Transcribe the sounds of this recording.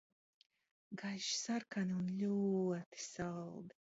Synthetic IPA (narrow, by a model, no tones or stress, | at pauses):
ɡajʒsarkʰaniunlʲuɔt̪i̥salˠd̪i